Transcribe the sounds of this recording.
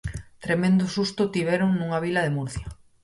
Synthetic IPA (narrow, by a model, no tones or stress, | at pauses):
t̪ɾemẽnd̪ʊsust̪ʊt̪iβ̞ɛɾoŋnuŋaβilaðemuɾθjɐ